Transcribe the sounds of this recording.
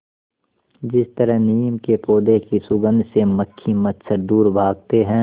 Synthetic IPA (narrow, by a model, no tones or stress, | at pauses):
d͡ʒɪst̪əɾəɦniːmkepoːd̪ekisʊɡə̃nd̪ʱseməkʰːimɐt̪səɾd̪uːɾbʱaːɡ̚t̪eɦɛ̃ː